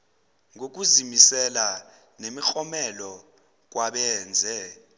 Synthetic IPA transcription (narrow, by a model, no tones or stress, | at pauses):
ŋok̬ʼuzimisɛla | nemixɔmɛlɔ | k̬waɓɛːnd͡zʱɛ